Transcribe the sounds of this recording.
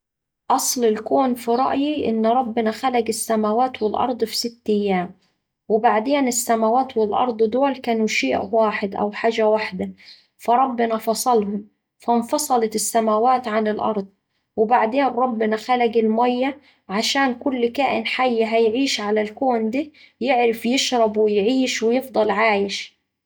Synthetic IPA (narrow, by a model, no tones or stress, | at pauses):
ʔɑsˤlɪlkoːnfiɾˤɑ̰ʔjiʔɪ̰nːɾˤɑbːɪnæxælæɡɪsːæmæwaːt̪wɪlʔɑ̰ɾˤd̪ˤfi̥sɪt̪ːɪjːaːm | wɪbaʕd̪eːnɪsːæmawaːt̪wɪlʔɑ̰ɾˤd̪ˤd̪ʊwlkæːnuʃeːʔwaːħɪd̪ʔæ̰wħaːʒawaħd̪æ | fɑɾˤɑbːɪnɑfɑsˤɑlhʊm | fænfɑsˤɑlɑt̪ɪsːamawaːt̪ʕanɪlʔɑ̰ɾˤd̪ˤ | wɪbaʕd̪eːnɾˤɑbːɪnɑxælaɡɪlmæjːa | ʕaʃaːnkʊlːkaːʔɪ̰nħajːaɦæjʕiːʃʕalælkoːnd̪iː | jɪʕɾɪfjɪʃɾˤɑbwɪjʕiːʃwɪjɪfd̪ˤɑlʕaːjɪʃ